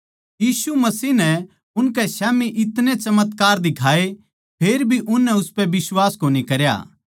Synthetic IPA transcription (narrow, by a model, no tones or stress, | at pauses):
jiːsumɐsiːɦnɛ | ʊnkɛsaːmiʔɪt̪nẽt͡ʃɐmət̪kaːɾd̪ɪkʰaːe | pʰeːɾbʱiʔʊnːɛʊspɛbɪswaːskoːnikɐɾja̰ː